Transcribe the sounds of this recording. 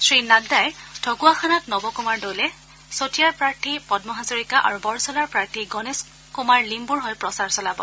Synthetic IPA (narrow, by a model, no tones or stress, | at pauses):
sɹinadajtʰɔɡuaxʰanatnɔbɔkumaɹdowlɛ | sotijaɹpɹaɹtʰipɔdmɔɦazoɹikaʔa̰ɹubɔɹsɔlaɹpɹaɹtʰiɡɔnes | kumaɹlimbuɹɦɔjpɹɔsaɹsɔlabɔ̰